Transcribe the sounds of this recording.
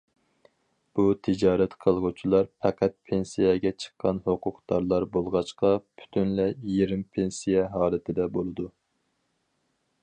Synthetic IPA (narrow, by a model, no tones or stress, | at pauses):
b̥ut̪ʰɪd͡ʒɑːɾɛt̪qʰəlˠʁut͡ʃʰilˠɑɾpʰɛqʰæt̪̚pʰensijɛɡʲɛt͡ʃʰə̥qʰːɑnhoqʰʊqd̪ɑɾlˠɑɾbolˠʁɑt͡ʃqɑpʰy̥t̪ʰynlɛjeɾɪmpʰensijɛɦɑːlˠɪt̪ʰɪd̪ɛbolˠɨd̪u